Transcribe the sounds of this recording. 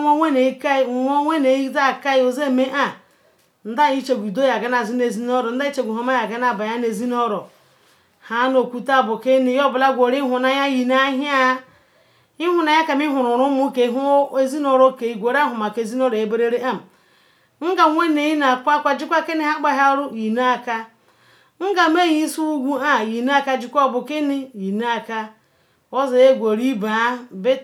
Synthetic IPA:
o˦wʷe˦ne˨i˦ka˦i˦˨ŋʷo˦wʷe˦ne˨ji˦da˦˨ka˦i˦o˨ze˦˨me˦ʔa˨ | n̩˦da˦i˦t͡ʃe˨ɡʷi˨do˦ja˨ɡa˦na˨zi˦ne˨zi˦n˦o˦ɾo˨n̩˦da˦i˦t͡ʃe˨ɡʷi˨ɦo˨ma˦ja˨ɡa˦n˦a˨ba˨ja˦ne˨zi˦no˦ɾo˨ | ha˦no˨kʷu˦ta˦˨bo˨ke˦ni˨jo˦bla˦ɡʷo˨ɾi˦ɦu˨na˨ja˦ji˨na˦ɦa˦ | i˦ɦu˨na˨ja˦ka˨mi˦ɦu˨ɾʊ˨ɾu˦mu˦ke˨ɦu˦e˦zi˦no˨ɾo˦ke˨i˨ɡʷo˨ɾa˦ɦʊ˨ma˨ke˨zi˦no˦ɾo˨e˨be˦ɾe˦ɾe˦ʔa˦m̩˨ | ŋ̩˦ɡa˨˦ŋʷe˦ne˨ji˦na˨kʷa˦kʷa˦d͡ʒi˦kʷa˦ke˦ni˦ɦa˦k͡pa˦ɦa˦ɾu˦ji˨na˦˨ka˦ | ŋ̩˦ɡa˨m˦e˦ji˦su˦u˦ɡʷu˦a˦˨ji˨na˦a˦˨ka˦d͡ʒi˨kʷa˨bo˨ke˦ni˦ji˨na˦a˨ka˦ | o˦zi˨e˦ɡʷo˨ɾi˦ba˨˦be˦

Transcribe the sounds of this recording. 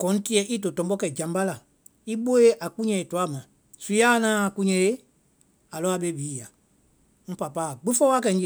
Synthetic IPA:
kɔ̃˨˦ti˦ɛ˨˦ʔi˦to˨tɔ̃˨˦bɔ˦kɛ˨d͡ʒã˨m˦ba˦la˨ | i˦ɓo˦e˦ʔa˨ku˦ɲɛ̃˨e˨tu˨a˦˨mã˨ | su˨˦ja˦nãː˦˨kũ˦ɲɛ̃˨e˦ | a˨lɔ˨˦a˨ɓe˦biː˨˦˨ja˨ | ŋ̩̃˦pa˨pa˦˨ɡ͡bĩ˦fɔ˦wa˦kɛ˨˦ŋ̩˦d͡ʒe˨

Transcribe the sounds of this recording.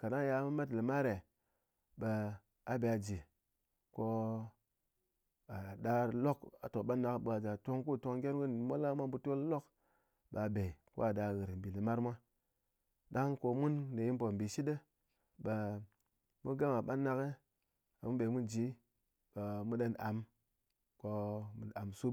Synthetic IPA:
ka˨na˦ja˧˦mu˦ma˦t̬li˨ma˦ɾe˨ | ɓə˨ | a˨be˨a˨d͡ʒi˨ | ko˦ | a˨da˨lo˦ka˨to˨ɓa˦nːa˨kɓə˨a˨d͡ʒa˨to˦ŋku˦˨to˧ŋɡʲe˦nwu˦n˨mo˦la˦mʷa˦bu˦to˦llo˦k | ɓa˨be˨ko̰˦a˨da˨ɣɨ˨ɾbi˨li˨ma˦ɾmʷa˦ | da˦ŋko˧mu˦nde˨ji˦npo˨m˨bi˨ʃi˦de˦ | ba˨ | mu˦ɡa˦ma˨ɓa˦nːa˦ke˦ | a˨mu˦be˨mu˦nd͡ʒi˨˦ | ɓa˨mu˦ɗa˦na˨m | ko˦mu˨a˨msu˦

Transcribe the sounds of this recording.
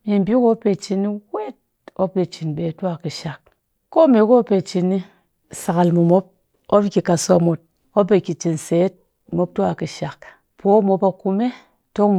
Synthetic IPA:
i˨m̩˨bʲi˦ko˦pe˨t͡ʃi˨ni˦we˦t̚ | o˦pe˨t͡ʃi˨nbe˨tu˦a˨ki˨ʃa˨k̚ | ko˦me˨ko˦pe˨t͡ʃi˨ni˦˨ | sa˨ɣa˨lmu˨mo˦p̚ | o˦bi˦kʲi˨ka˨so˦a˨mo˨t̚ | o˦p̬e˨ki˨t͡ʃi˨n̩˨se˨˦t̚ | mo˦p̚tu˦a˨ki˨ʃa˨k | po˦mo˨pa˨ku˦me˦ | to˦

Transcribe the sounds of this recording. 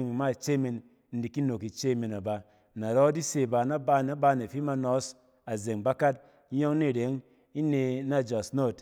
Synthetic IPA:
ŋi˨ma˦˨t͡ʃe˦me˧˨n | n̩˦di˨ki˦no˨ki˨t͡ʃe˦˨me˨na˨ba˨ | na˨ɾɔ˦di˦se˨ba˧˨na˦ba˧˦na˦ba˧ne˨fi˦ma˧nɔ˨˦s | a˨ze˨ŋba˦ka˦t̚ | jo˦ŋni˦˨ɾe˨˦ŋ | i˦ne˧na˦˨d͡ʒa˨sno˦˨t

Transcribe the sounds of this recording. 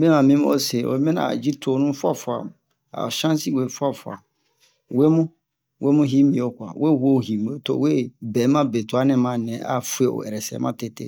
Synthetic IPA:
mɛ̃˦mã˨mĩ˦m˦o̰˦se˨o̰˨˦mɛ̃˦nã̰˨d͡ʒi˦tʰo˨nũ˦fʊ˦a˦˨fʊ˨a̰˨ | a̰˨ʃã˦n˦si˦we˨fu˦a˦fa̰˨ | we˦mʊ̃˦ | wʔe˦mʊ̃˦ɦi˦mĩ˨o˨kʷa̰˨we˦˨hu˦o˦˨hi˨mũ˨o˨to̰˨we˦bɛ˨˦mã˦be˨tʊ˨a˦nɪ̃˦mã˦nɛ̃˨ʔa̰˦fu˦e˨o̰˨ɛ̰˨ɾɛ˨sɛ̰˨˦mã˦te˦tḛ˦˨

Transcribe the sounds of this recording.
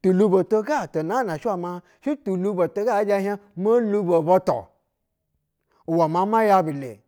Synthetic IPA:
tu˨lu˧bo˨to˧ɡa˦˨to˨na˨˦na˨ʃi˦wa˦˨ma˧ | ʃi˦tu˨lu˦˧bo˨to˧ɡa˦d͡ʒa˧ha˦mo˦lu˧bo˨bo˧to̰˨ | wa˨ma˨˦ma˦ja˧bi˨lḛ˨

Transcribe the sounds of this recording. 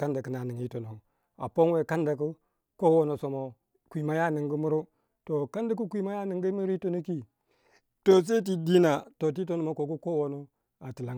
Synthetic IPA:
ka˦nda˨kə˦na˨ni˨ŋi˦to˨no˨ | a̰˨po˦nwe˨ka˦nda˨ku˦ | ko˦wo˦no˨so˨mo˨ | kʷi˨ma˦ja˦nɨ˨ŋɡu˦mu˦ɾu˦ | to˨ka˦nda˦ku˦kʷi˦ma˦ja˦nɨ˨ŋɡi˦mu˦ɾi˦to˦no˦ki˦ | to˨s̬e˦t̬i˨di˦na˨to˨t̬i˦t̬o˦no˨mo˨ko˨ku˦ko˦wo˨no˦ | a˨ti˨la˦ŋ˨

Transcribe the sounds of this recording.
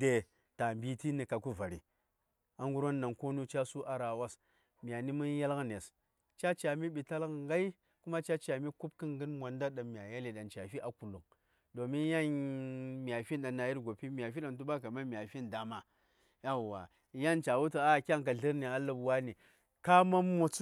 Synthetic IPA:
de˨ | ta˨mbi˦ti˦ni˨ka˨ku˦va˨ɾḭ˨ | a˦ŋɡu˦ɾo˦nːa˨ŋko˦nu˦t͡ʃa˦su˦ʔa˨ɾa˨wa˦s | mi˨a˨ni˦mu˦n˦ja˦lɣne˨s | t͡ʃa˦t͡ʃa˨mi˦ɓi˨ta˦lɣŋɡa˦i˦ | ku˦ma˦t͡ʃa˦t͡ʃa˨mi˦ku˦b̚kɨ˦ŋɡɨ˦nmʷ˨a˨nda˦ɗa˨mi˨a˨ja˦li˨ɗa˨nt͡ʃa˨fi˦ʔa˦˨ku˨lu˨ŋ | do˨mi˦n˦ja˦n | mi˨a˨fi˦nɗa˨nːa˨ji˦ɾɡo˨pi˦mʲ˨a˨fi˦ɗa˨ntu˦ɓa˦ka˨ma˦mi˨a˨fi˦nda˨ma˨ | ja˦˨wa˨˦ | ja˦nt͡ʃa˨wu˦ti˨a˦˨kʲa˦ŋk̬a˨ɮi˦ɾni˨a˦lu˦bwa˦ni˨ | ka˦ma˦mː˦o˦t͡su˦

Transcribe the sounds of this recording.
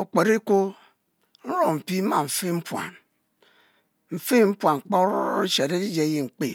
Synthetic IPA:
o˨k͡pe˨ɾi˦ko˦ | n̩˦ɾo˨m̩˨pi˦ma˨ɱ̩˨fi˦m̩˦pwa̰˨n | m̩˨fe˦˨m̩˦pwa˨ŋ̩˨k͡po˦ɾe˦ʃe˨ɾe˦di˦d͡ʒe˨˦ji˨ŋ͡m̩˨k͡pe˨

